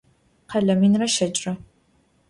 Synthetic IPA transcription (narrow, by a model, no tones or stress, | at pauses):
qʰɐɮɐminrɐʃɐt͡ʃʼrɐ